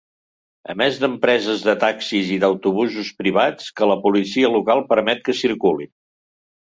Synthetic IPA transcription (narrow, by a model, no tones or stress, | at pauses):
ə̰mɛzd̪əmpɾɛzəzðət̪aksiziðəwt̪uβuzuspɾiβat͡skələpulisiəlukalˠpəɾmɛt̪̚kəsiɾkulin